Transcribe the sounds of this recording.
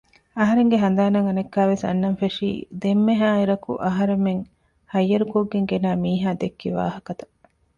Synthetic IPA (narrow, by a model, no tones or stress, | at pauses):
ɐɦɐɾeŋɡeɦɐnd̪aːnɐŋɐnɐkːaːʋesɐ̰nːɐnfeʂḭːd̪emːeɦaːiɾɐkṵʔɐɦɐɾemːeŋ | hɐjːɐɾukoɡːeŋɡenaːmiːɦaːd̪ekːiʋa̰ːɦɐkɐt̪ɐ̥